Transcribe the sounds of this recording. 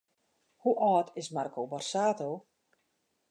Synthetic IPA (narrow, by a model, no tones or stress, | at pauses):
huʔɔːtʰɪsmarkobɔrsaːtoː